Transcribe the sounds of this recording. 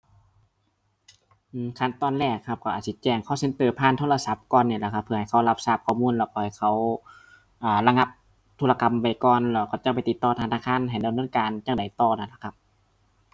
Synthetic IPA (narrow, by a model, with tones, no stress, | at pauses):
ʔɯː˧˩mkʰa˧˥˨nt̪ɔː˧˩˨nlɛː˧˩kʰːa˧˩p̚kʰa˧˩ʔːt̪̚si˧t͡ɕɛː˧˩ŋkʰɔː˧˩˨se˧˦nt̪ɤː˨˩pʰaː˧˥˨nt̪ʰoː˧˥˧la˧sa˧˦p̚kɔː˧˨nːiː˧˩˨la˧˩kʰa˧pʰːɯ˧˩ɐha˨˩jkʰa˧˩wla˧˥p̚saː˧˩p̚kʰɔː˧˩muː˧˨nlɛː˧˩wkɔ˧˩ha˨˩jkʰa˧˩w | ʔaː˨˩la˧ŋa˧p̚ | t̪ʰu˧la˧ka˧˨mwa˧˩jkɔː˨nlɛː˧˩wka˧˩t͡ɕa˧k̚pa˨jt̪i˧˦t̪ːɔː˧˩t̪ʰaː˧naː˧˨kʰaː˧˥˨nɦa˨˩jda˨mnɤː˧˥˨nkaː˨˧nt͡ɕaː˧˩ŋda˨˩jt̪ɔː˧˩na˧˩la˧˩kʰa˧p̚